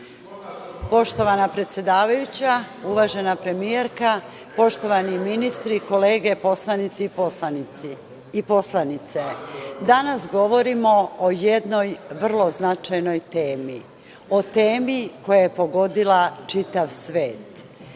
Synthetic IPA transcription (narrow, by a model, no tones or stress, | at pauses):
po̞ʃt̪o̞ʋanapɾet̪sje̞d̪aːʋajut͡ɕa | uʋaːʒe̞napɾe̞mijeɾka | po̞ʃt̪o̞ʋaniminist̪ɾiko̞le̞ːɡe̞poslˠanit̪si | iposlˠanit̪sed̪anasɡo̞ʋo̞ɾimo̞ojed̪no̞jʋr̩lˠo̞znat͡ʃajno̞jt̪eːmi | o̞t̪eːmiko̞jajepo̞ɡo̞d̪ilat͡ʃit̪aʋsʋe̞ːt̪